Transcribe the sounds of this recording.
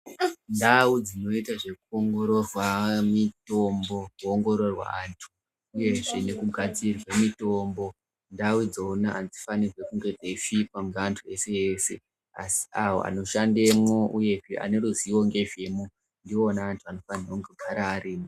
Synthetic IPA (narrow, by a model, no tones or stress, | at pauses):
ndaud͡zino̞itaʐe̞kuoŋɡo̞ɾo̞rwamito̞mbo̞kuoŋɡo̞ɾo̞rwa̰antʰu̥ː | je̞ʐe̞ne̞kuɡʱad͡zirwemito̞mbo̞ | ndawid͡zoonaʔand͡zifanirwe̞kuŋɡe̞d͡zefipaŋɡeantʰue̞se̞jese | a̰si̥awo̰ʔa̰no̞ʃandemwouje̞ʐeʔa̰ne̞ɾuziwo̞ŋɡe̞ʒemu | ndionaːntʰuano̞faniroŋɡoɡʱaɾaːɾiːmo